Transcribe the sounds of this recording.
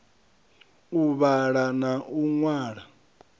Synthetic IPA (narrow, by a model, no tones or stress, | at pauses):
uβaɺanaʔuŋwaːɺa